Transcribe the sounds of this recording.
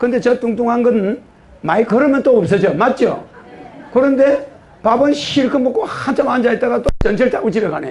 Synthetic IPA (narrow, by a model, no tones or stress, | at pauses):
kɯnd̪et͡ɕʌtuŋtuŋɦanɡɯn | maikɯɾɯmjʌnt͈oʌp̚s͈ʌd͡ʑomat̚t͡ɕ͈o̰ | kɯɾɯnde̞ | pabɯnɕiɭkʰɯmbok͈ohant͡ɕʰamand͡ʑaet͈̚aɡat͈ot͡ɕʌnt͡ɕʰeɭt͈aɡut͡ɕibekane